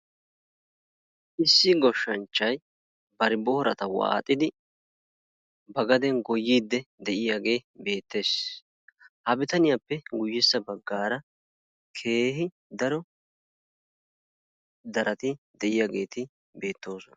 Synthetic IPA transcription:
ʔɪsːɪɡɔʃːɐnt͡ʃːɐj | bɐɾɪbɔhɔɾɐt̪ɐwa̰ːt̪ʼːɪd̪ɪ | bɐɡɐd̪ɛnɡɔjːiːd̪ːɛd̪ɛʔɪjaɡe̞ːbe̞ːt̪ːe̞ːs | hɐbɪt̪ɐnɪjapːɛɡʊjːɪsːɐbɐɡːaːɾɐ | kʰe̞ːɦɪ | d̪ɐɾɔ | d̪ɐɾʔɐt̪ɪd̪ɛʔɪjaɡe̞ːt̪ɪ | be̞ːt̪ːo̞ːsɔnɐ̥

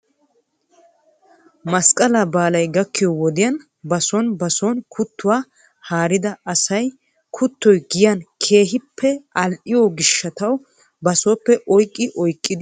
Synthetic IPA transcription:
mɐskʼɐlaːbaːlɐjɡɐkːɪjɔwɔd̪ɪjɐn | bɐsɔnbɐsɔnkʰʊt̪ːʊwaː | haːɾɪd̪ɐɐsɐj | kʰʊt̪ːɔjɡɪjɐnkʰe̞ːɦɪpʰːɛʔɐlʔɪjɔɡɪʃːɐt̪ɐw | bɐsɔːpːɛʔɔjkʼːɪʔɔjkʼːɪd̪

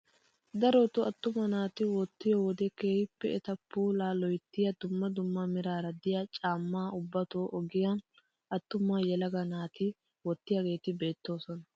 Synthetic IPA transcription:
d̪ɐɾot̪ʊɐt̪ːʊmɐnaːt̪ɪwɔt̪ːɪjowɔd̪ɛkeːhɪpːɛ̰ɛt̪ɐpuːlaːlɔjt̪ːɪjɐd̪ʊmːɐd̪ʊmːɐmɪɾaːɾɐd̪ɪjat͡ʃʼaːmːaːʊbːɐt̪oːʔɔɡɪjɐn | ɐt̪ːʊmːaːjɛlɐɡɐnaːt̪ɪ | wɔt̪ːɪjaɡe̞ːt̪ɪbe̞ːt̪ːo̞ːsɔnɐ

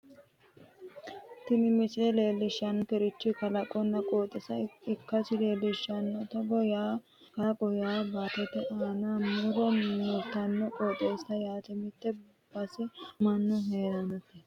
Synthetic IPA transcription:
t̪ɪmɪmɪsɪd̪ɛleːlːɪʃɐnkɛɾɪt͡ʃːɪkɐlɐkʼːɔnːɐkʼoːt̪ʼːɛsɐɪkːɐsɪleːlːɪʃːɐnːɔt̪ɔɡɔjaː | kɐkʼɔjaːbaːt̪ɛt̪ːɛʔaːnamuɾɔmmit̪ːɐnːɔkʼoːt̪ʼeːsɐjaːt̪ɪmɪt̪ːɛ | b̥ɐsɪmɐnːʊɦeːɾɐnɐt̪ːɛ

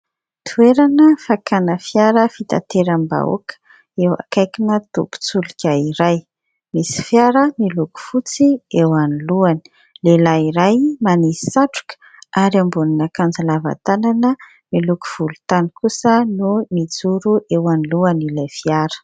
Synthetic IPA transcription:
t̪ʰueɾanəfakanəfjaɾəfit̪a̰t̪eɾamba̰o̰kʰə̥ | ewa̰kajkinət̪ṵpu̥t͡sulikʲaiɾaj | misi̥fjaɾəmiluku̥fut͡siewaniluani̥ | lelaiɾajmanisi̥saʈ͡ʂu̥kə̥ | ʔaɾiambuninakand͡zalava̰t̪ananə | miluku̥v̥ulut̪anikusənumid͡zuɾuʔewaniluanilafiaɾə̥

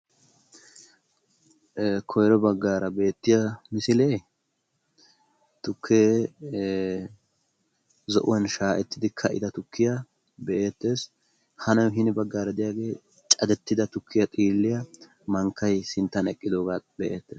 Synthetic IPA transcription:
kʰɔjɾɔbɐɡːaːɾɐbe̞ːt̪ːɪjɐmɪsɪleː | t̪ʊkʰːeː | zɔ̰ʔʊwɐnʃaːʔɛt̪ːɪd̪ɪkʰɐʔɪ̰d̪ɐt̪ʊkʰːɪjɐ | bɛʔeːt̪ːe̞ːs | hɐnɐwɦɪnɪbɐɡːaːɾɐd̪ɪjaːɡe̞ː | t͡ʃʼɐd̪ɛt̪ːɪd̪ɐt̪ʊkʰːɪjɐt̪ʼiːlːɪjɐ | mɐŋkːɐjsɪnt̪ːɐnɛkʼːɪd̪o̞ːɡaːbɛʔḛːt̪ːe̞ːs

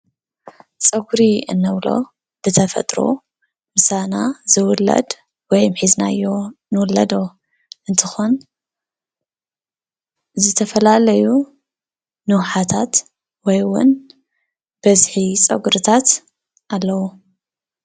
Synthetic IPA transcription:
t͡sʼɐɡuɾiɨ̰nːɐβlo̞̰ | b̥ɨt̪ʰɐfɐ̰t̪ʼɾo̞̰ | mɨsanaz̥ɨwʊlːɐ̰d̪ | wɔjmħizna̰jːo̞nɨwʊlːɐ̰d̪o̞ | ʔɨnt̪ʰɨxon | zɨt̪ʰɐfɐlalɐju | nɨwħat̪ʰat̪ | wɔjwʊ̰n | b̥ɐzħit͡sʼɐ̰ɡuɾɨt̪ʰat̪ | ʔalːɐwu

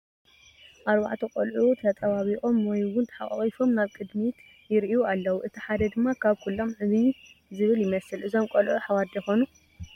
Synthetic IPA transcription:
ʔaɾba̰ʕt̪ʰukʼolʕut̪ʰɐt̪ʼɐβaβiχʼo̞mwɔjwʊnt̪ʰħa̰χʼɐ̰χʼifo̞mnaβkʼɨd̪mit̪ | jɪɾʔijualːɐwuʔɨt̪ʰiħad̪ɐd̪ɨmːakʰaβkʰulːo̞mʕɨβizɨβɨljɪmɐsɨlʔɨzo̞mkʼɐlʕuħawad̪jɛxo̞nu

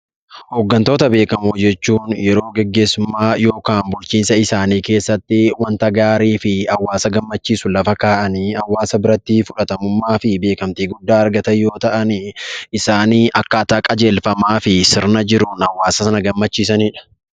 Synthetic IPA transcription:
hoɡːɐnt̪o̞ːt̪ɐbe̞ːkɐmud͡ʒɛt͡ʃːuːnjɛɾo̞ːɡɛɡːe̞ːsːʊmːaːjo̞ːkaːnbʊlt͡ʃiːnsɐɪsaːniːke̞ːsːɐt̪ːɪwɐnt̪ɐɡaːɾiːfɪɐwːaːsɐɡɐmːɐt͡ʃːiːsʊlɐfɐkaːʔɐniːɐwːaːsɐbɪɾɐt̪ːiːfʊᶑɐt̪ɐmʊmːaːfɪbe̞ːkɐmt̪iːɡʊd̪ːaːɐɾɡɐt̪ɐjo̞ːt̪ɐʔɐnɪɪsaːniːʔɐkːɐːt̪aːkʼɐd͡ʒe̞ːlfɐmaːfɪsɪɾnɐd͡ʒɪɾʊnɐwːaːsɐsɐnɐɡɐmːɐt͡ʃːiːs̬ɐniːᶑɐ̥

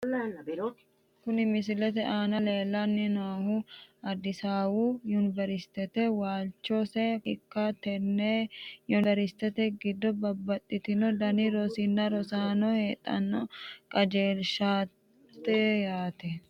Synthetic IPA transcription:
kʊnɪmɪsɪlɛt̪ɛʔaːnɐleːlːɐnːɪnaːhuɐd̪ɪsaːwujʊnbɛɾɪst̪ːɛt̪ɛwaːlt͡ʃːosɛɪkːat̪ɛnːeːjʊɛɾɪst̪ɛt̪ɛɡɪd̪ːɔbɐbːɐt̪ʼːɪt̪ɪnɔd̪ɐniɾɔsɪnːɐɾɔsaːnɔheːt̪ʼːɐ̰nːɔkʼɐd͡ʒeːlʃaː | t̪ːɛjaːt̪ɛ

